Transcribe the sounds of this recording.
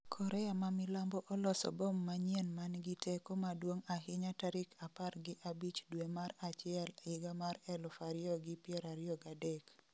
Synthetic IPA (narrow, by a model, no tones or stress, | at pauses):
kʰɔɾʔɛamamɪlambɔʔɔlɔsɔ̰bɔmːaɲjenmanɡɪtɛkomadwoŋaɦɪɲataɾɪkʰaparɡɪʔabit͡ʃdwemaɾat͡ʃɪɛlɪɡamaɾɛlʊfaɾɪɔɡɪpjɛɾaɾjɔɡadɛk